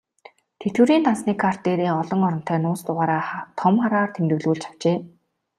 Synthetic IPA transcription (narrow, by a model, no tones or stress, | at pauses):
t̪ʰet̪wɘ̆ɾiːnt̪ansniːkʰar̥t̪eːɾiːɔɮɞ̆ŋɔɾɞ̆n̥t̪ʰæːnʊːst̪ʊʁaːɾaːt̪ʰɔmχaɾaːrt̪ʰemt̪ɘ̆ɣɮɣuːɮt͡ɕʰḁw̥t͡ɕeː